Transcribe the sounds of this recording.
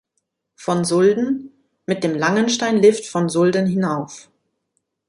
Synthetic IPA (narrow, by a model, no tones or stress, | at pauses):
fɔnzʊldn̩ | mɪt̚d̥eːmlaŋənʃtaɪnlɪftfɔnzʊldənɦɪnaʊf